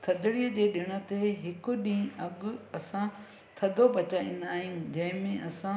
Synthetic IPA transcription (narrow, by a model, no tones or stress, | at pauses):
t̪ʰɐd̪ʱɽiəd͡ʑeːɗɪɽ̃ə̆t̪eɦɪkʊɗĩːɐɠʊɐsã | t̪ʰɐd̪ʱobʱɐt͡ɕaːḭ̃nd̪aːɦijũd͡ʑɐ̃ɦɪ̃mẽʔɐsã